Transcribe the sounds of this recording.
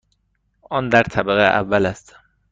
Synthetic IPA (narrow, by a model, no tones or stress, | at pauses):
ʔɒːnd̪æɾt̪ʰæbæɣeʔæ̰vːælæst̪